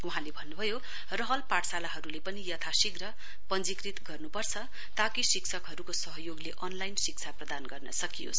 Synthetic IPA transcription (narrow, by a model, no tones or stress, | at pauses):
uɦãlebʱʌnːubʱʌjo | rʌɦʌlpaʈsalaɦʌɾulepʌnijʌt̪ʰasiɡrʌ | pʌnd͡zikrit̪ɡʌrnupʌrt͡sʰʌ | t̪akisiksʰʌkɦʌɾukosʌɦʌjoɡleʔʌnlajnsik̚t͡sʰaprʌd̪anɡʌrnʌsʌkijo̰sʰ